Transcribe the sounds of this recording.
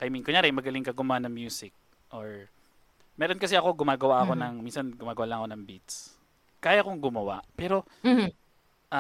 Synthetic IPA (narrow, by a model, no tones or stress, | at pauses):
kɐjɪmiŋkoɲaːɾɛʔmɐɡɐlɪŋkɐɡʊmʊanɐŋmjuːsɪk̚ | ʔoɹ | mɛːɾonkɐs̬ɛɐko̞ɡʊmaːɡɐwaʔɐko̞nɐŋminsɐnɡʊmaːɡɐwalɐŋɐko̞nɐŋbit̪s | kaːjɐkoŋɡʊmɐwa̰ʔpɛːɾo̞ | ʔ